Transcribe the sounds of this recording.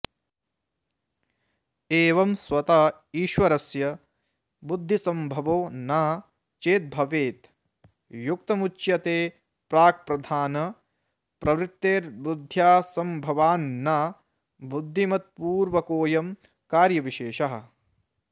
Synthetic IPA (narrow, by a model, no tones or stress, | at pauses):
eːʋɐmsʋɐt̪aː | iːʃʋɐɾɐsjɐ | bud̪ʱːisɐmbʱɐʋoːnɐ | t͡ʃeːt̪̚bʱɐʋeːt̪ | juk̚t̪ɐmut͡ʃjɐt̪eː | pɾaːk̚pɾɐd̪ʱaːnɐ | pɾɐʋɾit̪ːeːɾbud̪ʱjaːsɐmbʱɐʋaːnːɐ | bud̪ʱːimɐt̪̚puːɾʋɐkoːjɐm | kaːɾjɐʋiʃeːʃɐɦɐ̰̆